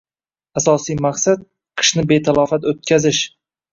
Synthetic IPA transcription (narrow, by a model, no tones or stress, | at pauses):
asɒsijmaqsat̪̚ | qʰɨ̥ʃnɪbe̞t̪ʰalˠɒfat̪ot̪̚kʲʰazɪʃ